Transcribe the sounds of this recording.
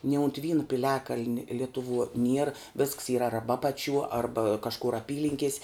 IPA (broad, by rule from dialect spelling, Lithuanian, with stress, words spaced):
nʲɪ ʊnt ˈʋʲiːnʊ pʲɪˈlʲæːkɐlʲnʲ ˈlʲɪtʊˌʋuɔ nʲiɛr ʋʲɪsks iːr ˈɐrbɐ ˈɑːpɐˌt͡ʃʲuɔ ˈɐrbɐ kɐʃˈkʊr ɐˈpʲiːlʲɪŋʲkʲiɛsʲ